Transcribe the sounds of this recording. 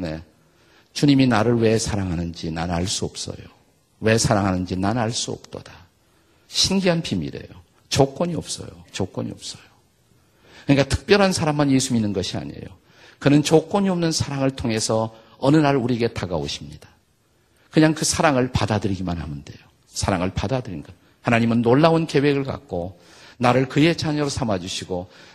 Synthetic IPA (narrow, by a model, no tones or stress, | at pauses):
ne̞ | t͡ɕuɲiminaɾɯɭwe̞sʰaɾaŋɦanɯnd͡ʑinanaɭs͈uʌp̚s͈ʌ̰jo̰ | we̞sʰaɾaŋɦanɯnd͡ʑinanaɭs͈uʌ̰p̚t͈o̰d̥a | ɕʰinɡiɦanpʰimḭɾe̞̰jo | t͡ɕok͈wʌɲiʌp̚s͈ʌ̰jo̰t͡ɕok͈ʌɲḭʌp̚s͈ʌ̥jo | kɯɲik͈atʰɯ̥k̚p͈jʌɾɦansʰaɾamːanje̞sʰuminːɯnɡʌɕʰia̰ɲḛjo̰ | kɯnɯnt͡ɕok͈wʌɲiʌmnɯnsʰaɾaŋɯɭtʰoŋe̞sʰʌ | ʌnɯnaɾuɾieɡe̞taɡao̰ɕʰimɲid̥ḁ | kɯɲaŋkɯsʰaɾaŋɯɭpadadɯɾiɡimanhamɯnde̞̰jo | sʰaɾaŋɯɭpadadɯɾinɡʌa | hanaɲimɯnːoɭːaunke̞we̞ɡɯɭka̰k̚k͈o | naɾɯɭkɯje̞t͡ɕaɲʌɾosʰamad͡ʑuɕʰiɡo